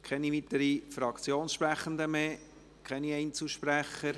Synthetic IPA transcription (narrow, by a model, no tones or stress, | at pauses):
kʰɛnivit̪əɾifɾɑkt͡sjoːnsʃpɾæχən̩d̪əmeː | kʰɛniɛɪnt͡suʃpɾæχːəɾ